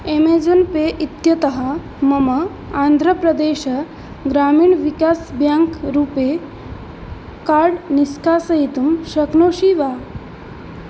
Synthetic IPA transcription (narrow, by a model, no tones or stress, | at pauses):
emed͡zunpeʔit̪jɐt̪ɐɦɐ | mɐmɐ | and̪ʱɾəpɾɐd̪eːɕɐ | ɡɾaːmiːɳʋikaːsbjaŋkɾuːpe | kaɾɽniskaːsɐɦit̪umʃɐknoːɕiʋa